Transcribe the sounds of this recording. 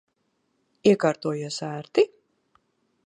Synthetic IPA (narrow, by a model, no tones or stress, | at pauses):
iɛkaːɾt̪uɔjusæːɾt̪i